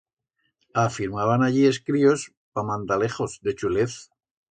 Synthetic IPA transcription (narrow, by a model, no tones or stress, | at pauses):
afiɾmaβ̞anaʎie̞skɾio̞s | pamãnt̪ale̞χo̞zd̪e̞t͡ʃule̞θ